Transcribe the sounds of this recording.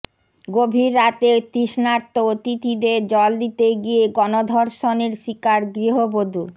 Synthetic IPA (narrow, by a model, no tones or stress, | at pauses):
ɡobʱiɾːat̪et̪iʃnaɾt̪ːot̪it̪ʰid̪eɾd͡ʑɔld̪it̪eɡieɡɔnod̪ʱɔɾʃoneɾʃikaɾɡɾiɦobod̪ʱu